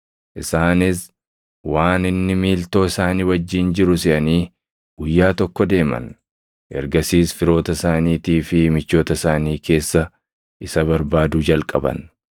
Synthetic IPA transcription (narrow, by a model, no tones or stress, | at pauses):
ʔɪsaːnɪs | waːnɪnːɪmiːlt̪o̞ːɪsaːniːwɐd͡ʒːiːnd͡ʒɪɾʊsɪʔɐniː | ɡ̥ʊjːaːt̪ɔkːɔd̪e̞ːmɐ̰n | ʔɛ̰ɾɡɐsiːsfɪɾo̞ːt̪ɐsaːniːt̪iːfɪmɪt͡ʃːo̞ːt̪ɐsaːniːke̞ːsːɐ | ʔɪsɐβɐɾbaːd̪ʊd͡ʒɐlkʼɐbɐ̰n